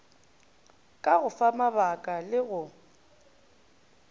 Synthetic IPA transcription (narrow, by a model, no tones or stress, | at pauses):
kʼaɣʊfamabakʼalɪɣʊ